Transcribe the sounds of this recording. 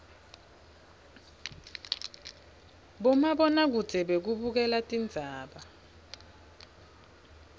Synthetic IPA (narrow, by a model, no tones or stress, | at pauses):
ɓɔmaɓɔnak̬u̥d͡z̥ʱɛɓek̬uɓuk̬ɛlatʼind͡zʱaːɓa